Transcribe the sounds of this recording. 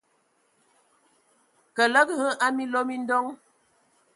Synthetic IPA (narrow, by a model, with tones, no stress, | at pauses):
kə˨lə˦ɡɣə˦ʔa˦mi˦lo˦mi˦n˦dɔ˦ŋ